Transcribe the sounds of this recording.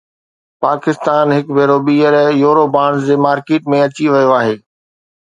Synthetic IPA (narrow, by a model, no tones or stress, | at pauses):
paːkɪst̪aːnɦɪkbʱeːɾoɓiːəɾjoːɾobaːɽ̃zd͡ʑeːmaːɾkeːʈmẽɐt͡ɕiʋɐjoaːɦeː